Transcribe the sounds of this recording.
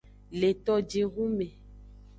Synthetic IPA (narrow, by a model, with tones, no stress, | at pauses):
le˨t̪ɔ˨d͡ʒe˨ɣu˦mẽ˨